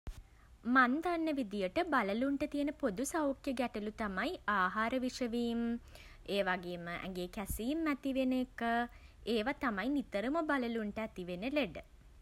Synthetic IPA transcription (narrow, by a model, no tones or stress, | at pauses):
mand̪anːəʋid̪ijəʈəbaləluɳʈət̪ijənəpod̪usawkjəɡæʈəlut̪amajaːɦaːɾəʋiʂəʋiːm | eːʋaɡeːməʔɛ̰ŋɡeːkæsiːmːæt̪iʋenekəeːʋat̪amajnit̪əɾəməbaləluɳʈəæt̪iʋenəleɖə